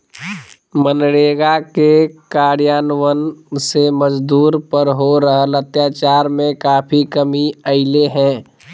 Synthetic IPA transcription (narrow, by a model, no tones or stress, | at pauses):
mənɽeːɡakekaːɾijaːnwənseməd͡ʒd̪uːɾpəɾɦoɾəɦələt̪jaːt͡ʃaːɾmẽkaːpʰikəmiəɪleɦɛ̃ː